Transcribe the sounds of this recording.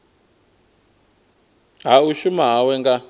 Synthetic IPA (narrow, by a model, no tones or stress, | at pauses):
ɦauʃumaɦawɛŋɡa